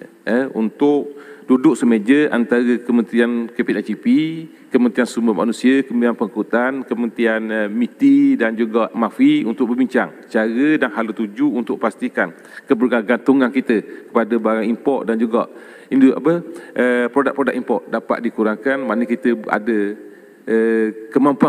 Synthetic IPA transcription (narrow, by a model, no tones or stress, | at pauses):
əunt̪ʊʔdudʊʔ̚səmed͡ʒəʔant̪aɾəkəmə̃nt̪ɾiankepit̪at͡ʃipi | kəmənt̪ɾiansumbəma̰nusiəkəmianpəŋkut̪ankəmənt̪ianmit̪idand͡ʒuɡaʔmafiunt̪ʊk̚ʔ̚bəbiɲt͡ʃaŋ | t͡ʃaɾədaŋɦalut̪ud͡ʒuːnt̪ʊk̚past̪ikan | kəbərɡaɡant̪uŋankit̪əkə̥padəbaɾaŋimpɔrʔ̪̚dand͡ʒuɡa̰ʔ | induʔa̰pəʔəpɾodak̚pɾodakimpɔrt̪ʔ̪̚dapa̰t̪̚dikuɾaŋkanmaʔnəkit̪əa̰də | əkəmampua